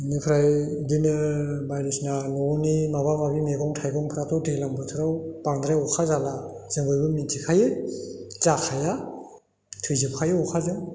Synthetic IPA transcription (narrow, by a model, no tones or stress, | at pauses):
nɯpʰɾajdinɯbajɾɯsnanɔnimaβamabimeɡɔŋtʰajɡɔŋpʰɾatʰɔwtʰɯlambɯtʰɯɾawpaŋdɾaɔkʰazalaz̥ɯŋbɯjbɯmintʰikʰajɯ | zakʰaja | tʰɯjzɯpkʰajeɔkʰazɯŋ